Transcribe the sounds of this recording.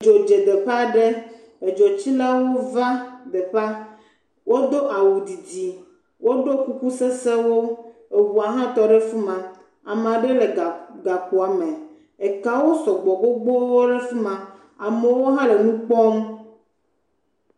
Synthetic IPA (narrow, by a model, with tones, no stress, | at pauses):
d͡ʒo˨d͡ʒe˨d̪e˨ɸa˦ɖe˦ | e˨d͡ʒo˨t͡ɕi˦la˦wo˦va˦d̪e˨ɸa˦ | wʔo˦d̪o˦ʔa˨wu˨d̪i˨d͡ʑi˨ | wo˦ɖo˦ku˦ku˦se˦se˦wo˦e˨wu˨a˨ɦã˦t̪ɔ˨ɖe˦fu˦mã˨ | a˨me˨a˨ɖe˦le˨ɡa˨ku˨a˨mɛ̃˨ | e˨ka˦wo˦sɔ˨ɡ͡bɔ˨ɡ͡bo˦ɡ͡bo˦wo˦ɖe˦fu˦mã˨ | a˨me˨wo˦ɦã˦le˨nũ˦k͡pɔ˦m